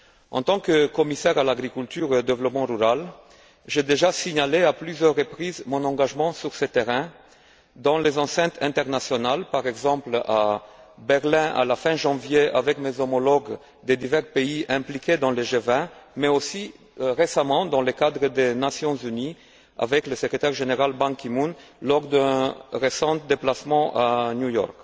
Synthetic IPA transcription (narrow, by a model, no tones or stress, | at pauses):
ɑ̃t̪ɑ̃kəkɔmisɛʁalaɡʁikylt̪yʁod̪evlɔpmɑ̃ʁyʁal | ʒed̪eʒasiɲaleaplyzjœʁːəpχizmɔ̃nɑ̃ɡaʒmɑ̃syʁsət̪eʁɛ̃ | d̪ɑ̃lezɑ̃sɛ̃t̪χɛ̃t̪ɛʁnasjɔnalpaʁɛɡzɑ̃plabɛʁlɛ̃ʔa̰lafɛ̃ʒɑ̃vjeavɛkmezɔmɔlɔɡ | d̪ed̪ivɛʁpeiɛ̃plikʲed̪ɑ̃leʒevɛ̃mɛosi | ʁesamɑ̃d̪ɑ̃ləkad̪ʁəd̪enasjɔ̃zyni | a̰vɛkləsəkʁet̪ɛʁʒeneʁalbɑ̃kimunlɔʁd̪ɛ̃ʁesɑ̃t̪d̪eplasmɑ̃ʔanjujɔ̰ʁk